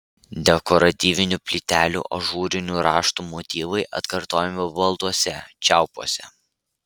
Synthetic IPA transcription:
d̪ʲɛkɔɾɐt̪ʲiːʋʲɪnʲupʲlʲit̪ʲæːlʲṵːʔo̰ʒuːɾʲɪnʲuːɾɑːʃt̪uːmɔt̪ʲiːʋɐɪʔɐ̰t̪kɐɾt̪oːjɛmʲɪbɐlˠt̪uɔsʲɛt͡ʃʲæˑʊpuɔsʲɛ

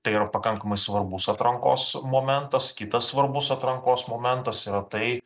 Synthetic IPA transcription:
t̪ɐɪiɾɐpɐkɐŋkɐmɐɪsʋɐɾbʊsɐt̪ɾɐŋko̰ːsmoːmʲɛnt̪ɐskʲɪt̪ɐssʋɐɾbʊsɐt̪ɾɐŋkoːsmoːmʲɛnt̪ɐsiɾɐt̪ɐɪ

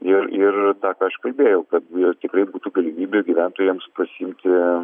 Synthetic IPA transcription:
ɪrɪrt̪ɑːkɑːɐʃkɐlʲbʲeːjɛʊkɐt̪̚t̪ʲɪkɾɐɪbuːt̪uːɡɐlʲimʲiːbʲeːɡʲiʋʲæˑnt̪oːjɛːmspɐsʲiːmʲt̪ʲɪ

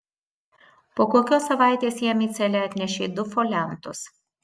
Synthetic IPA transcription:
poːkoːkʲoːsɐʋɑˑɪt̪ʲeːsjɛmʲiːt̪sʲɛlʲɛɐt̪ʲnʲɛʃʲeːd̪ʊfolʲɛnt̪ʊs

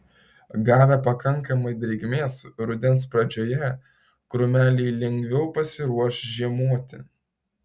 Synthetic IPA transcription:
ɡɑːʋʲɛpɐkɐŋˑkɐmɐɪd̪ʲɾʲɛɪɡmʲeːsɾʊd̪ʲɛnspɾɐd͡ʒʲoːjɛ | kɾʊmʲæːlʲɛɪlʲɛŋʲɡʋʲɛʊpɐsʲɪɾuɔʃʒʲiɛmuɔt̪ʲɪ

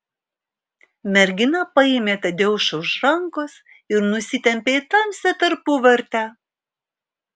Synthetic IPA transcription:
mʲɛɾʲɡʲɪnɐpɐɪmʲeːt̪ɐd̪ʲeːʊʃɐʊʃɾɐŋkos | ɪɾnʊsʲɪt̪ʲɛmʲpʲeːɪt̪ɐmʲsʲɛt̪ɐɾpuʋɐɾʲt̪ʲæ

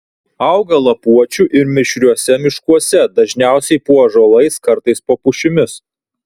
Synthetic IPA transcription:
ɐʊɡɐlˠɐpuɔt͡ʃʲuʔɪɾmʲɪʃʲɾʲuɔsʲɛmʲɪʃkuɔsʲɛd̪ɐʒʲnʲæˑʊsʲɛɪpuɔʒolˠɐɪskɐɾt̪ɐɪspoːpʊʃʲɪmʲɪs

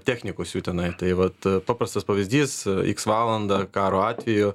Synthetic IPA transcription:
t̪ʲæːxʲnʲɪkoːsjuːt̪ʲɛnɐɪt̪ɐɪʋɐt̪pɑːpɾɐst̪ɐspɐʋʲɪzʲd̪ʲiːsḭksʋɑːlˠɐnd̪ɐkɑːɾoːɑːt̪ʲʋʲɛjʊ

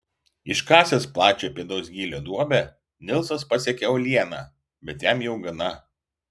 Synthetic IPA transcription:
ɪʃkɑːsʲesplˠɑːt͡ʃʲoːpʲiɛd̪oːsɡʲiːlʲod̪uɔbʲɛ | nʲɪlˠsɐspɐsʲɛkʲɛolʲiɛnɑː | bʲɛt̪ʲjæmjɛʊɡɐnɐ

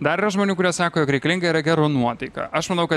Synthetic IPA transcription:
d̪ɐɾiːɾɐʒmoːnʲuːkʊɾʲɛsɑːkoːjoːkɾʲɛɪkɐlʲɪŋɡɐiɾɐɡʲæɾoːnuɔt̪ɐɪkɐ̰ʔɐʃmɐnɐʊkɐ

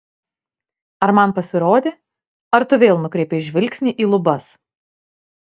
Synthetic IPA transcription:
ɐɾmɐnpɐsʲɪɾoːd̪ʲeː | ɐɾt̪ʊʋʲeːlˠnʊkɾʲɛɪpʲeːɪʒʲʋʲɪlʲksʲnʲiːʔiːlˠʊbɐs

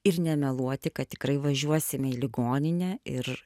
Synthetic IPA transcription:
ɪrnʲɛmʲɛlˠuɔt̪ʲɪkɐt̚t̪ʲɪ̥kɾɐɪʋɐʒʲuɔsʲɪmʲɛilʲɪɡoːnʲɪnʲɛɪr

